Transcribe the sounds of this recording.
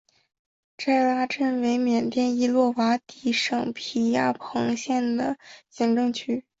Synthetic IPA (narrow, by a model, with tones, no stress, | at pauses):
ʈ͡ʂa˥˩ɪla˥ʈ͡ʂə˥˩nwe˧˥ɪmjɛ˨˩nt̪jɛ˥˧ni˥˧lwɔ˥˩wa˧˥t̪i˧˥˩ʂɤ˨˩ŋpʰi˨˩ja˥˩pʰɤ˧˥ŋɕjɛ˥˩nd̪ə˩ɕi˧˥ŋʈ͡ʂɤ˥˧ŋt͡ɕʰy˥